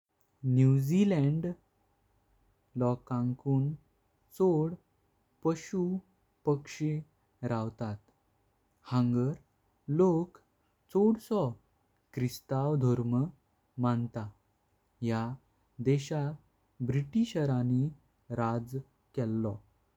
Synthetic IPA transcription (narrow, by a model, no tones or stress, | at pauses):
njud͡zilɛ̃ɳɖ | lɔkãŋkuːn | t͡soɽ | pəɕu | pəkʂe | ɾawt̪at̪ | hãŋɡəɾ | lok | t͡soɽsɔ | kɾist̪awd̪ʱɔɾmə | mant̪a | ɦja | d̪ɛɕa | bɾiʈiɕəɾani | ɾad͡z | kɛlːɔ